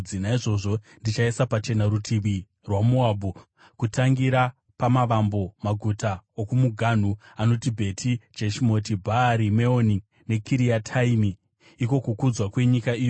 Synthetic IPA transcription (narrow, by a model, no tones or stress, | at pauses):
inaiʐo̞ʐo̞ | ndit͡ʃaisapat͡ʃe̞naɾutʰiʋi | rwamuabʱu | kutaŋɡiɾa | pamaʋambo̞maɡʱutaokumuɡʱan̤uano̞tibʱe̞tʰid͡ʒeʃimo̞tibʱaɾime̞oni | ne̞kʰiɾiatʰaimiː | ko̞kukud͡zwakwe̞ɲikaiːjo